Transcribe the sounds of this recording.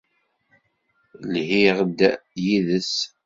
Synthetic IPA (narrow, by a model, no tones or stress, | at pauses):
lhiʁd̪jiðəs